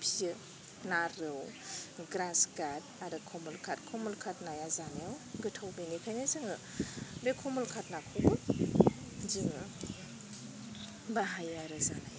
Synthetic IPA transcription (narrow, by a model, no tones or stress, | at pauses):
pʰijɯ | naɾɯwɡɾansɡad̚aɾɯkʰɔmulkʰat̚kʰomulkʰat̚najazaneawɡɯtʰawbenikʰajnezɯŋɯ | ɾekʰomulkʰatnakʰoɡut̚ | zɯŋɯ | baɦajaɾɯzanaj